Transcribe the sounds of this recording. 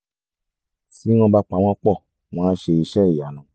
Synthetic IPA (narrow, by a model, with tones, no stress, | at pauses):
si˨˦w̃ɔ̃˧ba˧k͡pa˨˦w̃ɔ̃˦k͡pɔ˦˨ | w̃ɔ̃˦ʃe˧i˧ʃɛ˦i˦˨ja˨nã˨˦